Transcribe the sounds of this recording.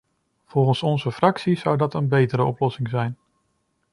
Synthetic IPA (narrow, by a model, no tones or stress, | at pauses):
v̥ɔlˠχənsɔnzəfrɑksizʌwdɑtənbejtəɾəɔplɔsɪŋzɛjn